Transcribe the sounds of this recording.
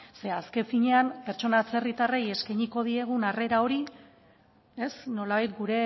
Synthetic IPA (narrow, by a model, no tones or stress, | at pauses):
se̞aske̞ɱfiɲe̞ampe̞ɾt͡ʃo̞nat͡se̞rit̪areje̞skajɲiko̞ð̞ie̞ɣ̞unare̞ɾao̞ɾi | e̞sno̞laβajt̪ɡuɾe̞